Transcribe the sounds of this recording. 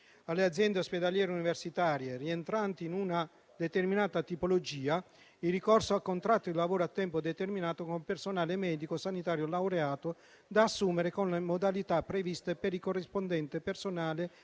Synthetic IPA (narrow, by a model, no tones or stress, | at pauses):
alːead̪zjɛnd̪eosped̪aljɛːɾeuniversit̪aːɾjerient̪ɾant̪iːnuna | d̪et̪erminaːt̪at̪ipolod͡ʒiːa | irikɔrsoakːont̪ɾat̪ːoilavoːɾoat̪ːɛmpod̪et̪erminaːt̪okompersonaːlemɛːd̪ikosanit̪aːɾjolawɾeaːt̪ʊ | d̪aːsːuːmeɾekonlemod̪alit̪apːɾevist̪epeɾikorːispond̪ɛnt̪epersonaːle